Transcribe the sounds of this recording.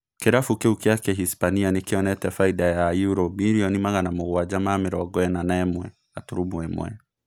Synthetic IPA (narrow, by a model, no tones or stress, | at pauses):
keɾafukeukiakɛɦispanianekeɔnɛtɛfaidajajuɾɔbiɾiɔnimaɣanamoɣwad͡ʒamamɪɾɔɡɔɛnanaɛmwɛ | atuɾumwɛmw̰ɛ̰